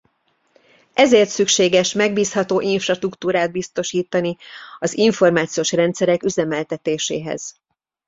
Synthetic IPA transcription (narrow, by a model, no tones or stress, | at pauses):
ɛzeːrt̪sykʃeːɡɛʃmɛɡ̚biːshɒt̪oːʔiɱfrɒʃt̪rukt̪uːɾaːd̪̚bist̪o̞ʃiːt̪ɒniɒziɱfo̞rmaːt̪sijoːʃrɛnt̪sɛɾɛkyzɛmɛlt̪ɛt̪eːʃḛːɦɛ̰z̥